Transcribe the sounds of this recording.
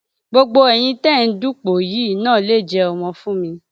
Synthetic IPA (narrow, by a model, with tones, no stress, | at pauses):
ɡ͡bo˧ɡ͡bo˧ɛ˨j̃ĩ˧tɛ˦˨n̩˦du˦k͡po˨ji˨˦i˦˨nãː˦˨˦le˦˨d͡ʒɛ˧ɔ˨mɔ̃˧fũ˦mĩ˧